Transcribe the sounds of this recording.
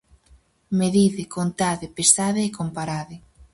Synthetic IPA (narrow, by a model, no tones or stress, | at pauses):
meðiðɪkont̪aðɪpesaðeekompaɾaðɪ